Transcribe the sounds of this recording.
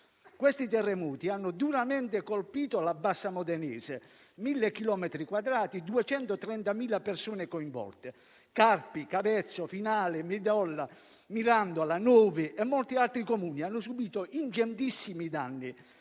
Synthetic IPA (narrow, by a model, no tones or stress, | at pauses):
kwest̪it̪ɛrːɛmuːt̪ianːʊd̪uɾamɛnt̪ekolpiːt̪olabːasːamɔd̪ɛnɛ̰ːze | milːekːilɔːmɛt̪ɾikwad̪ɾaːt̪id̪uɛt͡ʃɛnt̪ot̪ɾɛnt̪amiːlapersuːnekoiɱvɔ̰lt̪e | karpikavɛt̪sːofinaːlɪmɪd̪ɔlːa | miɾand̪oalanuːvɪʔɛmːɔlt̪ialt̪ɾikomuːnianːʊsubiːt̪oʔind͡ʒɛnt̪isːimid̪a̰nːi